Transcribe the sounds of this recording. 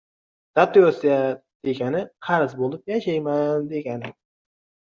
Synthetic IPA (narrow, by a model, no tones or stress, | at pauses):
d̪̥at̪ojosija | d̪̥e̞ɡʲanɪqʰɑɾɨzbolˠɪp̚jaʃajmand̪e̞ɡʲanɪ